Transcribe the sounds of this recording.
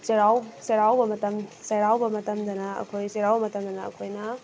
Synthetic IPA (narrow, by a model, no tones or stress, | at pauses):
seɾawseɾawbɐmɐtɐmseɾawbɐmɐtɐmd̪ɐnɐɐ̰kʰojseɾawbɐmɐtɐmd̪ɐnɐɐ̰kʰojnɐ